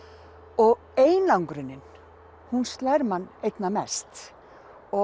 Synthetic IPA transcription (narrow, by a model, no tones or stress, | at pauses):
ɔɣ | eːjnlawŋkɾʏnɪn | hunst̪lajɾmanːejt̪namɛst̪ | ɔ